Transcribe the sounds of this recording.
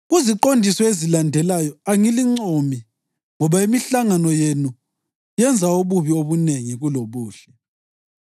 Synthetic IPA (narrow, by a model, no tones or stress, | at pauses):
ɣuziǃondʱisɔezilandʱɛlajɔaŋiliŋ͡ǀomi | ŋɔβaimiɬaŋanɔjenu | jɛnd͡zʱaoβuβioβuneŋiɣuloβuːʃɛ̥